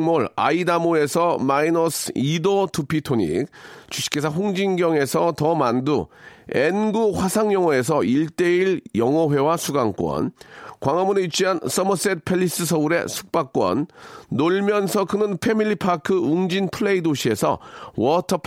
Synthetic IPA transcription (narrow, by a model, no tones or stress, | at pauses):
moɭa̰idamoe̞sʰʌmainosʰidotʰupʰitʰoɲḭk̚t͡ɕuɕʰi̥k͈e̞sʰaɸuŋd͡ʑinɡjʌŋe̞sʰʌtʌmanduenɡuɸwasʰaŋjʌŋʌe̞s̬ʰʌiɭt͈e̞iɭjʌŋʌɸwe̞wasʰuɡaŋk͈wʌ̰nkwaŋʌmuneit͡ɕ͈ʰiɦans͈ʌmʌs͈et̚pʰe̞ʎːis͈ɯsʰʌuɾe̞̰sʰu̥k̚p͈ak͈wʌ̰nːoɭmjʌnsʰʌkɯnɯnpʰe̞miʎːipʰakʰɯuŋd͡ʑinpʰɯɭe̞idoɕʰie̞sʰʌ̰wʌtʰʌpʰ